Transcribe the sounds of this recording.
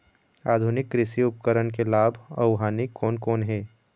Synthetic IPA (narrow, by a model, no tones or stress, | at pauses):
a̰ːd̪ʱʊnɪkːɾɪsiʊpkəɾənk̬elaːbʱɐ̰ʊɦaːnikʰːɔːnkɔːnɦɛː